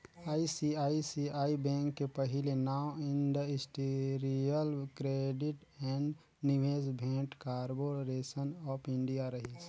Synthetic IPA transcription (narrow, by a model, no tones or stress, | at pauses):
aisiaisiaibɛ̃ŋkːepəɦilenaʊɪ̃nd̪əɪsʈeɾiəlkɾeɖiʈɛ̃ɳɖ | niʋesbʱɛ̃kkaɾboɾesənɔːpʰɪ̃ɳɖijaɾəɦis